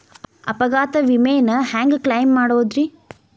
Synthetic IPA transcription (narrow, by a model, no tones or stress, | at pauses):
ɐ̰pɐɡaːt̪ɐʋimeːnɐhaːŋɡklɐjmːaːɽoːd̪ɾi